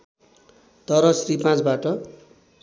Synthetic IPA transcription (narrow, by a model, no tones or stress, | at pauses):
t̪ʌɾʌsripãt͡sbaʈʌ